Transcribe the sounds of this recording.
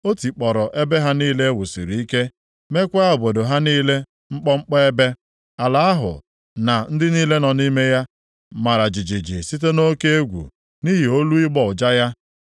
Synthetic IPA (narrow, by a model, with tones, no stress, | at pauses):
o˦ti˨k͡pɔ˨ɾɔ˨ʔe˦be˦ɦa˦niː˦le˦wu˨sḭ˨ɾi˨i˦ke˦ | me˦kʷa˦ʊ˨bo˨do˨ɦa˦niː˦le˦ | ŋ͡m̩˦k͡pɔ˦ŋ͡m̩˦k͡pɔ˦e˦be˦ | a˨la˨a˦ɦʊ̰˨ | na˨n̩˦dɪ˦niː˦le˦nɔ˨ni˦me˦ja˦ | ma˨ɾa˨d͡ʒi˨d͡ʒi˨d͡ʒi˨si˦t̬e˦no˦ke˦e˦ɡʷṵ˨ | ni˦ɦi˨o˦lu˦i˦ɡ͡bɔ˦ʊ˨d͡ʒa˦ja˦